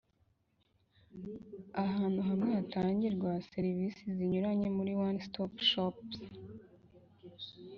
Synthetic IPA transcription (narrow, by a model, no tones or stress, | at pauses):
aɦaːn̥huɦamŋeatʰaːɲɟiɾɡwaseɾivisiziɲuɾaɲe̞muɾiwanstopʃops